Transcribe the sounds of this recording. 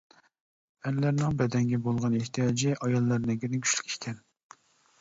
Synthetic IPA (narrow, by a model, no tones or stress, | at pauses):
ɛlːæɾnɪŋbɛd̪ɛŋɡʲɛbolˠʁɑneht̪ijɑd͡ʒiʔɑjɑlˠːɑɾnɛŋɡʲiɾnɪkʲʰy̥ʃly̥kʲi̥kʲʰɛn